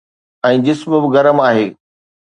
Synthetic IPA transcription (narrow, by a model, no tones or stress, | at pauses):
ɛ̃ːd͡ʑɪsmbɪɣɐɾəmaːɦeː